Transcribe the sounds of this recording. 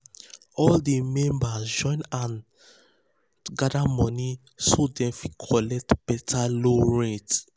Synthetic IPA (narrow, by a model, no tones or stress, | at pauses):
ɔldemɛ̃mbasd͡ʒɔ̃ɪ̃nãn | ɡadamɔ̃ni | sodɛ̃mfikʰɔlɛk̚tb̥ɛtʰaloɹet